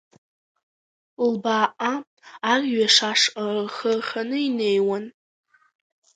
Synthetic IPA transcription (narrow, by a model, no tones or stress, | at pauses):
lbaːʔa | arʲɥaʂaʂrrχərχʲanɨinejwan